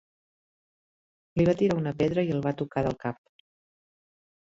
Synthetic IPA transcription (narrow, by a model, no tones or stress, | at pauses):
liβat̪iɾaunəpɛðɾəiəlˠβat̪ukaðə̰lˠkap̚